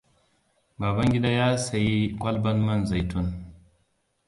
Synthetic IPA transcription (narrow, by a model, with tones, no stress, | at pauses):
baː˨ba˦ŋɡʲi˦da˦jaː˦sa˨ji˦kʷa˦lbɐ˦nmɐ˦nza˨jtu˦n